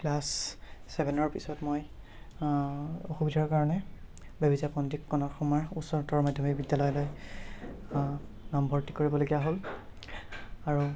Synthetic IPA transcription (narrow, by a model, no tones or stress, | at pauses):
klasːɛbʱɛnɔɹpisɔtmoj | oxubidʱaɹkaɹɔnɛ | bebizapɔndikːɔnɔtxɔmɔɹusɔɹtɔɹmadʱjɔmikbidjalɔjloj | nambʱɔɹti̥koɹibɔloɡijaɦol | aɹu